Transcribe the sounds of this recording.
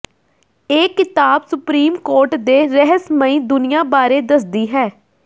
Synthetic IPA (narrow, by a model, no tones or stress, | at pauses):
eːkɪt̪aːbsʊpɾiːmkoːɾʈd̪eːɾɛɦəsməĩːd̪ʊnɪjãːbaːɾeːd̪əsd̪iːɦɛː